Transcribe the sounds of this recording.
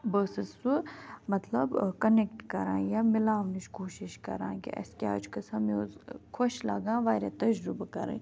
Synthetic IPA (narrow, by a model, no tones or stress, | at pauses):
bəːsəsumɐt̪lɐbkɐnek̚ʈkɐɾãːjamɪlaːnit͡ʃkoːʃɪʃkɐ̰ɾã̰ːkḭʔɐ̰skea̰ːd͡ʒkɐsɐmizkʰoʃlɐ̰ɡãːʋaːɾet̪ɐd͡ʒɾubakɐ̰ɾə̰̃